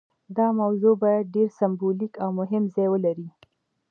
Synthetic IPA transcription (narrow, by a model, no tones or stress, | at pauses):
d̪ɑmawzobajad̪̚ɖeɾsambolikawmʊɦɪmzɑjwəlaɾi